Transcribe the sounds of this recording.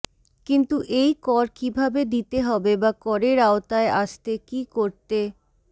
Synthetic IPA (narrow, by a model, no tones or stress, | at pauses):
kint̪uʔejkɔɾkibʱabed̪it̪eɦɔbebakɔɾeɾaot̪aeʔaʃt̪ekikoɾt̪e